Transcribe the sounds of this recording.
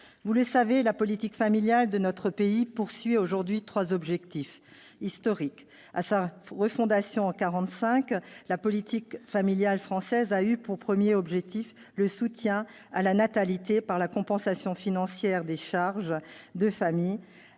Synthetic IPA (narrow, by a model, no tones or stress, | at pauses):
vuləsavelapɔlit̪ikfamiljald̪ənɔt̪χəpeipuʁsɥioʒuʁd̪ɥit̪χwazɔbʒɛkt̪if | ist̪ɔʁik | asaʁəfɔ̃d̪asjɔ̃ɑ̃kaʁɑ̃t̪sɛ̃klapɔlit̪ikfamiljalfχɑ̃sɛzaypuʁpχəmjeɔbʒɛk̚t̪if | ləsut̪jɛ̃ | alanat̪alit̪epaʁlakɔ̃pɑ̃sasjɔ̃finɑ̃sjɛʁd̪eʃaʁʒd̪əfamij